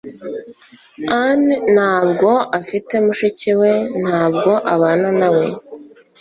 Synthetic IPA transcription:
ann̥haːbɡo̞ʔafite̞muʃiciwe̞n̥haːbɡo̞ʔaβaːnanawe̞

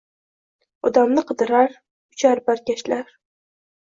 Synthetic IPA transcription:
ɒd̪amnɨqʰɨd̪ɨɾaɾ | ʊt͡ʃʰaɾbaɾkʲaʃlaɾ

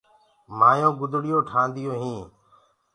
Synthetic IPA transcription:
maːjõːɡʊd̪ʱɽɪjoːʈʰãːnd̪ɪjoːɦĩː

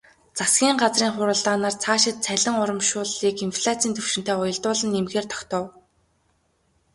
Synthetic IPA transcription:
t͡sasɡʲiːɴɢat͡sriːŋχʊɾə̆ːɮt̪aːnaːrt͡sʰaːʃɪ̆t̪̚t͡sʰæɮʲɪ̆ŋʊɾə̆mʃʊːɮiːkinfɮat͡sʰiːnt̪ʰɵwʃɪ̆nt̪eːʊjɞ̆ɮt̪ʊːɮə̆nːemɣeːrt̪ʰɔ̥kt̪ɔ̆w

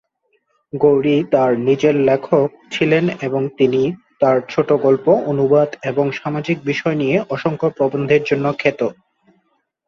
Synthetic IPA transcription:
ɡowɾit̪aɾnid͡ʑeɾlekʰok̚t͡ɕʰileneboŋt̪init̪aɾt͡ɕʰoʈoɡolpoʔonubad̪eboŋʃamad͡ʑik̚biʃɔenijeʔɔʃoŋkopɾobond̪ʱeɾd͡ʑonːokʰet̪o

